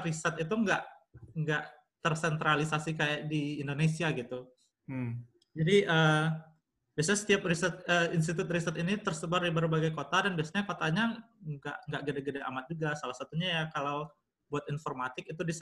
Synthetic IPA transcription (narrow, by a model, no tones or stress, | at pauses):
ɾisət̪it̪uŋɡaʔŋɡaʔ | t̪ərsɛnt̪ɾalisasikajaʔ̚diːndonesiaɡit̪u | d͡ʒadiəː | biasaɲasə̥t̪iap̚risət̪̚əːins̬t̪it̪ʊt̪̚risat̪init̪ərsəbardibəɾubaɡajkot̪adanbiasaɲakot̪aɲa | ɡa̰ʔŋɡaʔɡədaɡədaʔa̰mat̪̚d͡ʒuɡasalahsat̪uɲajakalaw | buat̪informat̪ɪk̚it̪udis